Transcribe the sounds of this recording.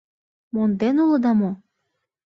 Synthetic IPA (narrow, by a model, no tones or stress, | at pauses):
mond̪enulɤ̆d̪ɑmo